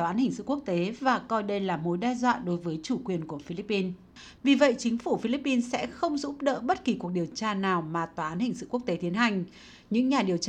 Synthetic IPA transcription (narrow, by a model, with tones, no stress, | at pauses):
ʔaː˨˦nhï˨˩ŋ̟sɨ̰˧˨ku˦˥ək̚t̪e˨˦vaː˨˩kɔ˧jɗə˧jlaː˨˩mo˨˦jɗaː˧zwa̰ː˧˨ɗo˨˦jvəː˨˦jt͡ɕu˧˩kwi˨˩ənku˧˩əfi˧li˦˥pːi˧n | vi˨˩və̰˧˨jt͡ɕï˨˦ŋ̟fu˧˩fi˧li˦˥pːi˧nsɛ̰˧˥xə˧wŋ͡mzṵ˧˥p̚ɗə̰ː˧˨ɓə˦˥t̚ki˨˩ku˨˩ək̚ɗi˨˩əwt͡ɕaː˧naː˨˩wmaː˨˩t̪waː˨˩ʔaː˨˦nhï˨˩ŋ̟sɨ̰˧˨ku˦˥ək̚t̪e˨˦t̪i˨˦ənha˨˩jŋ̟ | ɲɨ̰˧˥ŋɲaː˨˩ɗi˨˩əwt͡ɕ